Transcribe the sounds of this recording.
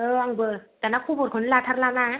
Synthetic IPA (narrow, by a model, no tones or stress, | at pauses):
ʔɤːʔaŋbəːt̪ɛːnakʰuːbokʰɔnlaːt̪ʰaɾlaːnaː